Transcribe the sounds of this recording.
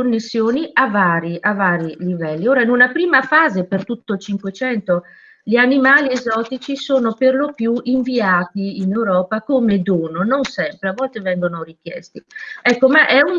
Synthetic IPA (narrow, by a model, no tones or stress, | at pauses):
onːesːjoːniavaːɾiʔavaːɾilivɛlːioːɾainunapɾiːmafaːzepert̪ut̪ːoilt͡ʃiŋkwet͡ʃɛnt̪o | ʎianimaːliezɔːt̪it͡ʃisoːnoperlopjuʔiɱviaːt̪iːnewɾɔːpakoːmed̪oːnononsɛmpɾeavːɔlt̪evɛŋɡonorik̟jɛ̰st̪iɛkːomaʔɛun